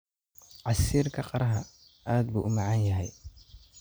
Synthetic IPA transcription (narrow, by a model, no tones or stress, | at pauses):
ʕɑsiːrkʰɐqɑɾɐɦɐ | ʔaːd̪̚buːʔʊmɑʕɑnjɐɦɛj